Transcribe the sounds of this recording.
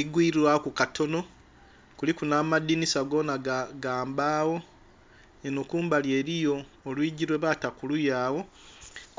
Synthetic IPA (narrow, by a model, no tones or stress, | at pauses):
iɡwiːɾiɾwaokukatʰo̞no̞ | kulikunaːmadinisaɡo̞ːnaɡaːmbaːwo̞ | enokuːmbalje̞ɾijo̞ː | lwiːɟiɾwe̞βatakulujaːwo̞